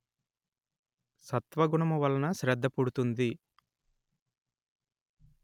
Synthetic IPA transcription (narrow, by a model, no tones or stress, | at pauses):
sɐt̪ʋɐɡuɳɐmuʋɐlːɐnɐʃɾɛd̪ːɐpuɽut̪und̪i